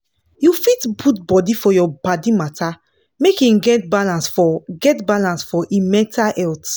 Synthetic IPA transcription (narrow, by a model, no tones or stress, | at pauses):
jufitbutbɔdifɔjɔbadimata | mekĩmɡɛtbalãnsfɔɡɛtbalãnsfɔʔimɛ̃tʰaɛlt